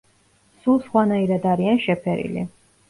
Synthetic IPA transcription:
sulˠsχwanaiɾad̪aɾianʃɛpʰɛɾḭlḭ

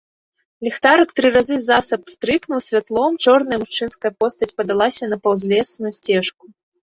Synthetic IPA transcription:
lʲɛxt̪aɾɐkt̪ɾɨɾazɨzasɐpst̪ɾɨknuwsʲvʲat̪lˠɔmt͡ʂɔrnɐjɐmuʂt͡ʂɨnskɐjɐpɔst̪ɐt͡sʲpɐd̪alˠasʲɐnɐpɐwzʲlʲɛsnujusʲt͡sʲɛʂku

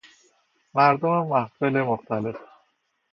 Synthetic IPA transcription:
mæɾd̪omamːahfelemoxt̪alef

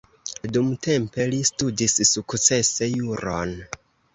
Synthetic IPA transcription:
dumtʰe̞mpe̞listudissukt͡se̞se̞juɾo̰n

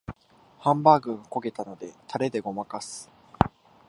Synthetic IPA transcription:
hãmbaːɡɯ̟̃ɰ̃oko̞ɡe̞t̪ano̞d̪e̞t̪ʰaɾe̞d̪e̞ɡo̞makasɨ̥

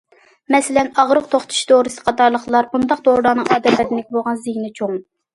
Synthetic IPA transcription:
mɛsɪlɛnɑʁɾʊqt̪ʰoχt̪ʰu̥ʃd̪oɾɨsɨ̥qʰɑt̪ɑɾlˠəχlˠɑɾbund̪ɑq̚d̪oɾɨd̪ɑnɨŋɑːd̪ɛt̪lɛɾɪnɪkʲboʁɑnzɪjnɪt͡ʃʰoŋ

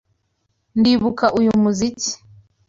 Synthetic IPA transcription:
ndiβukaʔujumuzici̥

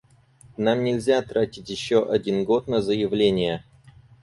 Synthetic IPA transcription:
namnʲɪlʲzʲat̪ɾatʲɪtʲjɪɕːoʔɐdʲinɡo̞t̪nəzəjɪvlʲenʲɪjə

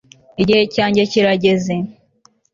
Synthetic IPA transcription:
iɟihecaːɲɟeciɾaɟe̞ze

